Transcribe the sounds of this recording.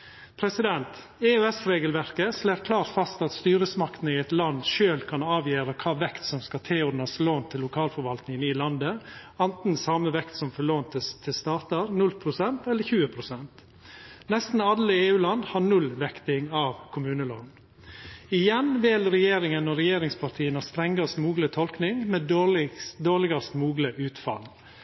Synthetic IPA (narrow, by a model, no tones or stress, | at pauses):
pʰɾɛsɪd̪ɛnt̪ | eːøːɛsɾeːɡəlʋæɾkəsleːɾkʰlɑːɾfɑst̪ɑt̪st̪yːɾəsmɑkt̪n̩əɪɛɪt̪lɑnd̪ʃøːlkʰɑnɑːʋjeːɾəkʰɑːʋɛkt̪sɔmskɑt̪ʰeːɔɾɖnəsloːnt̪ʰɪlːʊkʰɑːlfɔɾʋɑlt̪nɪŋənɪlɑnd̪ə | ɑnt̪n̩sɑːməʋɛkt̪sɔmfɔɭoːnt̪ʰəst̪ʰɪst̪ɑːt̪əɾnʉlpʰɾʊsɛnt̪ɛlːəɾçʉːəpʰɾʊsɛnt̪ | nɛst̪n̩ɑlːəeːʉːlɑnd̪hɑɾɳʉlʋɛkt̪ɪŋɑʋkʰʊmʉːnəlo̰ːn | ɪjɛnʋɪlɾɛjeːɾɪŋənɔɾɛjeːɾɪŋspʰɑɾt̪ʰiːənɑst̪ɾɛŋɡɑst̪muːɡlət̪ʰɔlknɪŋmɛːɪd̪oːɾlɪɡɑst̪muːɡləʔʉːt̪fɑ̰l